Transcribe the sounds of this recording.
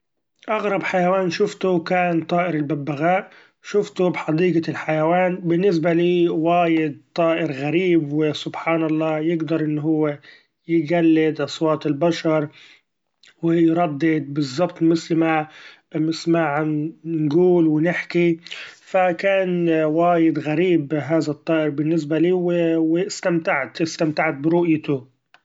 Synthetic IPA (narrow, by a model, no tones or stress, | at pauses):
ʔaɣɾˤɑbħajawaːnʃʊft̪ʊkaːnt̪ˤɑːʔɪɾɪlbabːaɣaːʔ | ʃʊft̪ʊbħɑd̪iːɡalħajawaːnbɪnːɪs̬baliːwaːjɪd̪̚t̪ˤːɑːʔɪɾɣaɾiːbwɪsʊbħaːnɑlˤːɑːjɪɡd̪ɑɾˤʔɪnːɦʊwːe | jɪɡalːɪd̪ʔɑsˤwɑːt̪ˤɪlbaʃɑɾˤ | wɪjɾˤɑd̪ːɪd̪̚bɨzˤːɑbt̪ˤmɪθlma | mɪsmaʕannɡuːlwɪnɪħkifakaːnwaːjɪd̪ɣaɾiːbɦaːðat̪ˤːɑːʔɪɾbɪnːɪs̬baliːwwɪst̪amt̪aʕt̪ɪst̪amt̪aʕt̪̚bɪɾʊʔjt̪ʊ